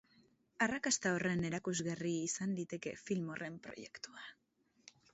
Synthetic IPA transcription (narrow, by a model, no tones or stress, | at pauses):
arakast̪ao̞re̞ne̞ɾakuzɣariːsand̪it̪e̞ke̞̰filmo̞rʔe̞mpɾo̞̰je̞̰kt̪ua